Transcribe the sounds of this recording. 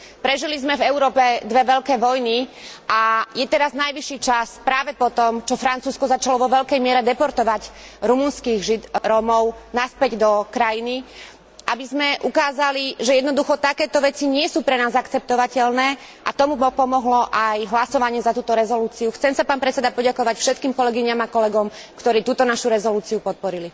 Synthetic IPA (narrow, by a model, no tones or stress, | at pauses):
pɾɛʒilizmɛvɛʊɾɔːpɛd̪ʋɛʋɛʎkɛːʋɔjniʔajɛt̪ɛɾaznajʋiʃːiːt͡ʃaspɾaːʋɛpɔt̪ɔmt͡ʃɔfɾant͡suːskɔzat͡ʃalɔʋɔʋɛʎkɛjmɪɛɾɛd̪ɛpɔɾt̪ɔʋaɟɾumunskiɣʒid̪ɾɔmɔʊnaspɛɟd̪ɔkɾajini | ʔabizmɛʔukaːzaliʒɛjɛd̪nɔd̪uxɔt̪akɛːt̪ɔʋɛt͡siɲɪɛsuːpɾɛnaːzakt͡sɛp̚t̪ɔʋacɛlnɛː | ʔat̪ɔmupɔpɔmɔɦlɔʔajɦlasɔʋaɲɪɛzat̪uːt̪ɔɾɛzɔluːt͡siuxt͡sɛmsapaːnpɾɛt͡sɛd̪apɔɟakɔʋacfʃɛt̪kiːmkɔlɛɡiɲamakɔlɛɡɔm | kt̪ɔɾiːt̪uːt̪ɔnaʃuɾɛzɔluːt͡siupɔt̪̚pɔɾili